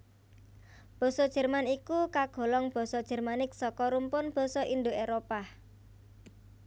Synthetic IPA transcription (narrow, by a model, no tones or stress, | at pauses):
b̥ɔ̤sɔd̥ʒ̥ɛ̤rmanikukaɡ̥ɔ̤lɔŋb̥ɔ̤sɔd̥ʒ̥ɛ̤rmanɪk̚sɔkɔɾumpʊnb̥ɔ̤sɔʔindoeɾopa